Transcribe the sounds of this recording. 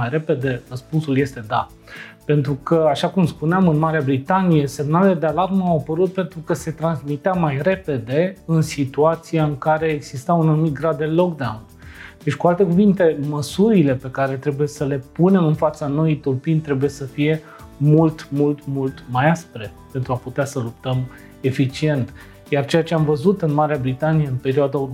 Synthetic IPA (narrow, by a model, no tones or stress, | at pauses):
ajɾe̞pe̞d̪e̞rəspunsulje̞st̪e̞d̪a̰ | pe̞nt̪ɾukʰəaʃakumspuneamɨnmaɾeabɾit̪anije̞se̞mnaleled̪e̞alarməawapəɾut̪̚pe̞nt̪ɾukəse̞t̪ɾansmit̪eamajɾe̞pe̞d̪e̞ɨnsit̪uat̪sijaɨŋkaɾe̞ːɡzist̪aunanumit̪̚ɡɾad̪ːe̞lo̞kd̪awnd̪̥et͡ʃʲkualt̪e̞kuvint̪e̞məsuɾile̞pe̞kaɾe̞t̪ɾe̞buje̞səle̞pune̞mɨnfat̪sano̞jit̪urpinʲt̪ɾe̞buje̞səfije̞ | mult̪mult̪mult̪majaspɾe̞pe̞nt̪ɾuaput̪easəlup̚t̪əm | e̞fit͡ʃie̞nt̪ | jart͡ʃe̞jat͡ʃe̞amvəzut̪ɨnmaɾeabɾit̪anijeɨnpe̞ɾioad̪a